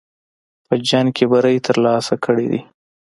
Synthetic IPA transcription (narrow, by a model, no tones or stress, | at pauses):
pəd͡ʒaŋkebaɾəjt̪ʰəɾlɑsakʰəɽḛd̪ḭ